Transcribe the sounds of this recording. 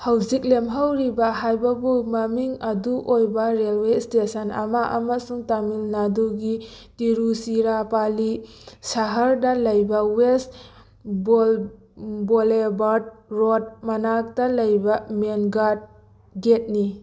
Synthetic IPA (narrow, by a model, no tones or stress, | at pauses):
hɐwzik̚lemɦawɾibɐɦajbɐbumɐmiŋɐduʔojbaɾelwestesana̰maʔa̰masuŋtamilnaduɡi | tiɾusiɾapali | saɦaɾdɐlɐjbawes | bol | bolebad̚ɾot̚mɐnak̚dalɐjbamenɡad̚ | ɡet̚ni